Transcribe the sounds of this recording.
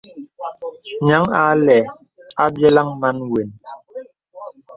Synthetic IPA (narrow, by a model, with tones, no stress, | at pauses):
ɲa˨˦ŋa˨˦lɛ˨ | a˦bjɛ˦la˦ŋma˦nwe˨n